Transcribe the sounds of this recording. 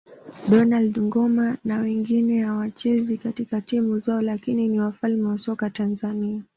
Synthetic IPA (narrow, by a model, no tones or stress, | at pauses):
ɗɔnaldŋɡɔmanawɛŋɡinɛhawat͡ʃɛzikatikatimuzaɔlakininiwafalmɛwasɔkatanzania